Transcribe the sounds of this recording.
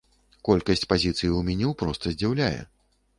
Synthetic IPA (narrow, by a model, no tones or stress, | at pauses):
kɔlʲkɐsʲt͡sʲpazʲit̪sɨjiuwmʲanʲɛwpɾɔst̪ɐzʲd͡zʲawlʲajɛ̰